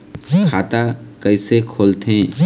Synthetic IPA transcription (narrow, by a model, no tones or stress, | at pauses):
kʰat̪akəjsekʰolt̪ʰẽ